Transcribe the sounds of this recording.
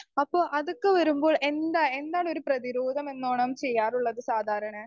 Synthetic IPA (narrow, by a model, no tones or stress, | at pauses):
ɐpːo̞ːʔɐðokːɨʋɐɾumbo̞ːɭʔe̞nd̪ae̞nd̪aːɳo̞ɾuprɐðiɾoːd̪ʱɐme̞nːoːɳɐmt͡ɕe̞jːaːruɭːɐðɨsaːd̪ʱaːɾɐɳɐ